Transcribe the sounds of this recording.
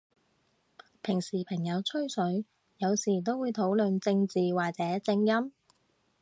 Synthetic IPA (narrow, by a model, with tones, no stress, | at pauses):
pʰɪ˨˩ŋsiː˨˩pʰɐ˨˩ŋjɐ˨˧wt͡sʰɵ˥ɥsɵ˨˥ɥ | jɐ˨˧wsiː˨˩t̪̬o˥wuː˨˧jt̪ʰo˨˥wlɵ˨nt͡sɪ˧ŋt͡siː˨waː˨k̚t͡sɛː˨˦˥t͡sɪ˧ŋjɐ˥m